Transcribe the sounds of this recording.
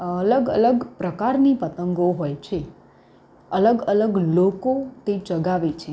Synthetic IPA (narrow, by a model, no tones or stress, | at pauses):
ələɡə̰ləɡpɾəkaɾnipət̪əŋɡoɦojt͡ʃʰe | ələɡələɡlokot̪et͡ʃəɡaʋet͡ʃʰe